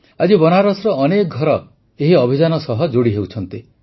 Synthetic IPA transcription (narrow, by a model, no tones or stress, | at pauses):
ad͡ʒibɔnaɾɔsɾɔːnekɔɡʱɔɾɔ | eɦiɔbʱid͡ʒanɔsɔɦɔd͡ʒoɽiɦewt͡ʃʰɔnt̪i